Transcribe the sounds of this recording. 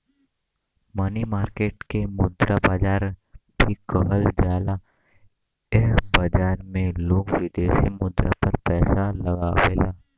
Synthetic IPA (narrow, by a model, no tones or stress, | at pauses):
mənimaːɾkeːʈkemʊd̪ɾʔabaːd͡ʒaːɾb̪ʱikəɦəld͡ʒaːla | ebəd͡ʒaːɾmẽloːɡwɪd̪eːʃimʊd̪ɾa̰pəɾpɛːsaləɡaweːlaː